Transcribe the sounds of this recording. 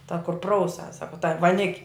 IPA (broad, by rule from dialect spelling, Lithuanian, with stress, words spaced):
tɐ kʊr ˈprɐʊˌsɐs ˈsɑːkoː tɐ ʋɐˈnʲɪkʲ